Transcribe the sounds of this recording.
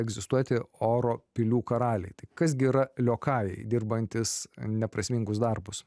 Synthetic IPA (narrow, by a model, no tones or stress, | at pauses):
ɛɡzʲɪst̪uɔt̪ʲɪoːɾoːpʲɪlʲuːkɐɾɑːlʲɛɪt̪ɐɪkɐs̬ɡʲɪːɾɐlʲoːkɑːjɛɪd̪ʲɪrbɐnʲt̪ʲɪsnʲɛpɾɐsʲmʲiŋɡʊsd̪ɐɾbʊs